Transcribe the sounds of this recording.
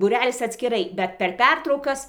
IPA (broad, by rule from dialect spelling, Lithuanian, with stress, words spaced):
ˈtɐɪ buːˈrʲæːlʲɪs ɐtʲsʲkʲɪˈrɐɪ bʲɛt pʲɛr ˈpʲɛrtrɐʊkɐs